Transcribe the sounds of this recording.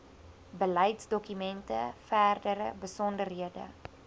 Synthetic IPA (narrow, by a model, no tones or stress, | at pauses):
bəlɛjtsdɔkymɛntəfæːrdəɾəbəsɔndərɦiədə̰